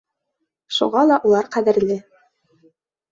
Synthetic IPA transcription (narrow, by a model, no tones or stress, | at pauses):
ʃṵʁɑlˠɑʔulˠɑɾqæðɘ̆ɾlɘ